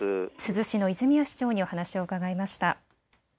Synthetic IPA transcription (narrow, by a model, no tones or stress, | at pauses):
sɨzɨɕino̞izɨmʲiaɕi̥t͡ɕo̞ːɲ̟io̞hanaɕio̞ɯ̟kaɡaimaɕi̥t̪a